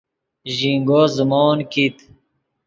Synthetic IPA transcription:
ʑiŋɡozumɔːnkit̪

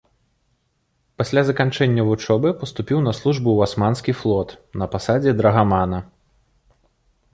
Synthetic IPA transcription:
pasʲlʲazɐkant͡ʂɛnʲːɐvut͡ʂɔbɨpɐst̪upʲiwnɐslˠuʐbuwasmanskʲiflˠɔt̪nɐpasad͡zʲɛd̪ɾɐɣamanɐ

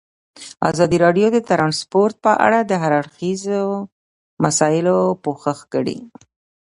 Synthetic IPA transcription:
a̰zɑd̪iɾɑɖjod̪ət̪ɾɑnspoɾt̪̚pəʔa̰ɽad̪əɦaɾaɽxizo | masɑjɪlopoxəxkəɽḭ

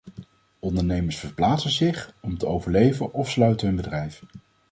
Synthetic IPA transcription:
ɔndəɹnejməɹsfəɹplaːtsəzɪχɔmtəowvəɹlejvənʔɔfslœɥtəɦɵnbədrɛjf

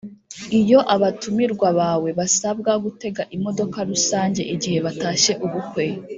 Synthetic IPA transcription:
ijo̞ʔaβatumiɾɡwaβaːwe̞βasabɡaɡute̞ɡaʔimo̞do̞kaɾusaːɲɟe̞̰ʔiɟihe̞βataːʃe̞ʔuβukwe

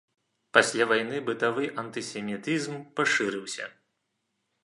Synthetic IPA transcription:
pasʲlʲavajnɨbɨt̪avɨʔɐnt̪ɨsʲɛmʲit̪ɨzmpaʂɨɾɨwsʲɐ̰

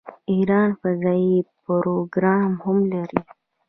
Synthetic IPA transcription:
iɾɑːnfɐzɑːipoɾoɡɾɑmhʊmlaɾi

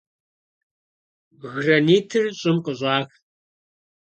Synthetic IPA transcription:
ɣrɐniːtʰɨrɕʼɪmqʼəɕʷʼɑːx

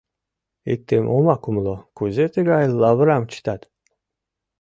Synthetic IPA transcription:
it̪ːemʔomakumlokuzet̪ʰiɡajlːavɾamt͡ʃʰi̥t̪at̪

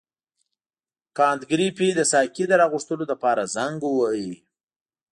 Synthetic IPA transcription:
kɑnt̪ɡɾipid̪əsɑkid̪əɾɑɣuʂt̪əlod̪apɑɾazaŋɡwaji

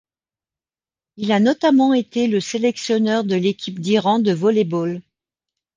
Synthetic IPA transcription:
ilanɔt̪amɑ̃et̪eləselɛksjɔnœʁd̪əlekʲʰipd̪iʁɑ̃d̪əvɔlebɔl

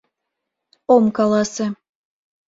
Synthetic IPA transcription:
omkɑlɑsĕ

